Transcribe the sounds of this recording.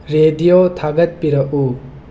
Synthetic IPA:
ɾedijotʰaɡɐt̚piɾɐʔu

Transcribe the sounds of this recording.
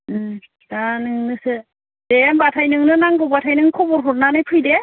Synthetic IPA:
ɯ | danɯŋnɯsɯ | dembatʰajnɯŋnɯnaŋɡɔbatʰajnɯŋkʰɔbɔɾɦʰɔɾnanɯjpʰɯjde

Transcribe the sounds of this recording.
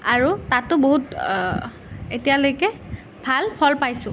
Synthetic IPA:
aɹutatʊboɦut | etijalojkɛ | bʱalpʰɔlpajsʊ̃

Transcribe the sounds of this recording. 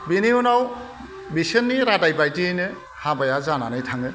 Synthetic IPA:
biniunaw | bisɯnːiɾadajbajtiɯjnɯ | habajazananɯjtʰaŋɯ

